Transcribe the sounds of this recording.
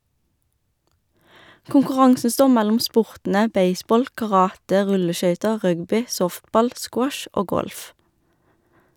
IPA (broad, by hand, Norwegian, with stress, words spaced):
kʊŋkʊˈʁɑŋsn̩ ˈstoːʁ ˈmælʊm ˈspʊʁtn̩ə ˈbeɪˌsbɔl kɑˈʁɑːtə ˈʁʉləˌʃœʏtə ˈʁœɡbʏ ˈsɔftˌbɑl ˈskwɔʃ ˈʔoː ˈɡɔlf